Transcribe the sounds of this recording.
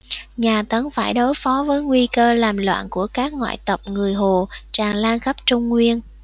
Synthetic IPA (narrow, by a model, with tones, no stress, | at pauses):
ɲaː˨˩t̪ə˨˦nfaː˧˩jɗo˨˦jfɔ˨˦vəː˨˦jŋwi˧kəː˧laː˨˩mlwa̰ː˧˨nku˧˩əkaː˦˥k̚ŋwa̰ː˧˨jt̪ə˨˩p̚ŋɨ˨˩əjɦo˨˩t͡ɕaː˨˩ŋlaː˧nxə˦˥p̚t͡ɕʊ˧ŋ͡mŋwi˧ən